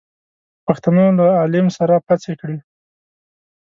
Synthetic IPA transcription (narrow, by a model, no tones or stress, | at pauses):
paxt̪anolaalɪmsaɾapat͡sekɽe